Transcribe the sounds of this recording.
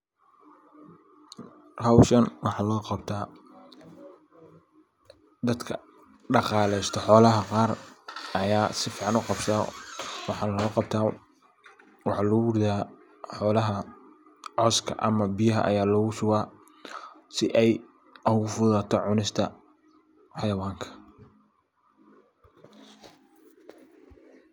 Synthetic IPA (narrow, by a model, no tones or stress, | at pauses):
hɐwʃɐnwɑħɑːlɔːqɑbt̪ʰaː | d̪ɐd̪kʰɐ | ɖɑqɑːlɛjst̪ʰɔħɔːlɐɦɐqɑːrɐjaːsɪfiːʕɑnʊqɑbsawɑħɑːnlɔːqɑb̚t̪ʰaː | wɑħɑːlɐɣʊrðaː | ħɔːlɐɦɐ | ʕɔskʰɐ̰ʔɐ̰mɐbɪjɐɦɐ̰ʔɐ̰jaːlɔːɣʊsʊwaː | sɪʔɛj | ʊɣʊfʊðat̪ʰɔʕʊnɪst̪ʰɐ | ħɑjɐwaːŋkʰɐ̥